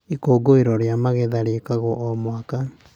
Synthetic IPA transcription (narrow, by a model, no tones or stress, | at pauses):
ikoːɡoeɾɔɾjamaɣeðaɾekaɣɔʔɔmwaka